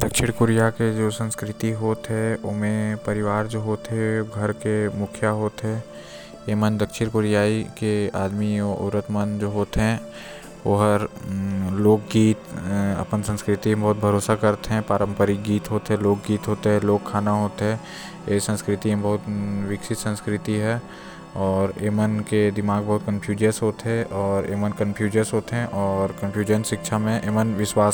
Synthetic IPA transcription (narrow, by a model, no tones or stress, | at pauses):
d̪̥ɐkʃɪɾkʊɾijaked͡ʒoːsə̃nskɾɪt̪iɦoːt̪ɦɛ̃ʊmẽpɐɾɪʋaːɾd͡ʒoːɦoːt̪ɦɛɡʱɐɾkemʊkʰjaɦoːt̪ɦɛː | jemənd̪əkʃɪɾkʊɾɪjaːikea̰ːd̪miɔʊ̰ɾət̪mənd͡ʒoːɦoːt̪ɦɛ̃ | oɦəɾ | loːk̚ɡiːt̪ɐ̰pənsə̃nskɾɪt̪iẽbɐɦʊt̪̚bʱɐɾoːsakɐɾt̪eɦɛ̃paːɾə̃mpəɾiɡiːt̪ɦoːt̪eɦɛ̃loːk̚ɡiːt̪ɦoːt̪eɦɛ̃loːkkʰːaːnaɦoːt̪eɦɛ̃ː | eːsə̃nskɾɪt̪imẽbɐɦʊt̪ʋɪkʃɪt̪sə̃nskɾɪt̪iɦɛː | ɔːɾeːmənked̪ɪmaːɡbɐɦʊt̪̚kə̃mpʰjuːd͡ʒəsɦoːt̪eɦɛ̃ʔɔːɾḛːmənkə̃npʰjuːd͡ʒəsɦoːt̪eɦɛ̃ʔɔːɾkɐ̃mpʰjuːd͡ʒənʃɪkʃʰamẽʔeːmənʋɪʃwaːs